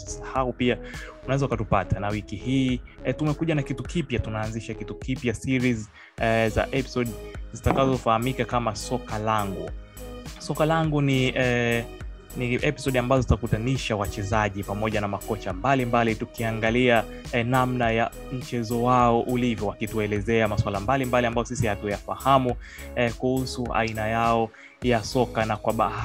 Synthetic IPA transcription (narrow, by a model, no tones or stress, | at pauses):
sḁhaupiaunaɛzɔukatupatanawikihiːtumɛkuʄanakitukipjatunaːnziʃakitukipjasiɾiz | za̰ʔɛpi̥sɔɗzitakazɔfahamikakamasɔkalaŋɡṵ | sɔkalaŋɡuniɛ | niʔɛpi̥sɔɗambazɔzitakutaniʃawat͡ʃɛzaʄipamɔʄanamakɔt͡ʃambalimbalitukiaŋɡalia | namnaja | m̩t͡ʃɛzɔwaɔʔulivjɔwakituɛlɛzɛamaswalambalimbaliambajɔsisihatujafahamukuhusua̰inajaɔ | jasɔkanakwaɓaa